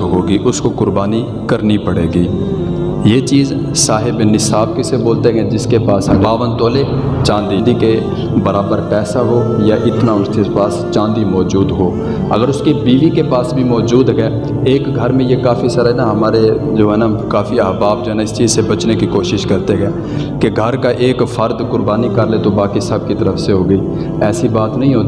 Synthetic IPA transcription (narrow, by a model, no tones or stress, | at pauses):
ɦoːɡiːʔʊskokʊɾbaːni | kɐɾnipɐɽeːɡiː | jeːt͡ʃiːz | saːɦɪbnɪsaːb̚keseboːlt̪eɦɡɛd͡ʒɪskepaːsɦɐbaːʋənt̪oːle | t͡ʃãːnd̪id̪ike | bɐɾaːbəɾpɛːsaɦoːjaʔɪt̪naʊskepaːst͡ʃãːnd̪imɔːd͡ʒuːd̪ɦoː | ə̰ɡəɾʊskebiːʋikepaːsbʱimɔːd͡ʒuːd̪ɡɛː | eːkɡʱəɾmẽjekaːfisaːɾaenaɦəmaːɾed͡ʒoːɦɛːnakaːfiəɦbaːbd͡ʒoːɦɛːnaɪst͡ʃiːzsebət͡ʃnekikoːʃɪʃkəɾt̪eɡɛː | keɡʱəɾkaʔeːkfʰəɾd̪kʊɾbaːnikəɾlet̪obaːkisəb̚kit̪əɾəfseɦoːɡəiː | ɛːsibaːt̪nəɦĩɦoːt̪i